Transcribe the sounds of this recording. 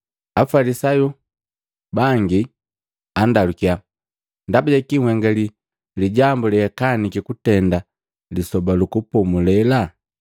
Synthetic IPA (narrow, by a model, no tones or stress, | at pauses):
afalisaju | baŋɡi | andalukia | ndabaɟakiŋwɛŋɡali | liɟambuliɛkanikikutɛnda | lisɔbalukupɔmulɛla